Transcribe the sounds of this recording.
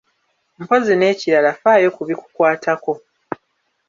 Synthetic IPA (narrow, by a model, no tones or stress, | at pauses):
m̩po̞zine̞ːciɾalafaːjo̞kuβiku̥kwaːtʰako̞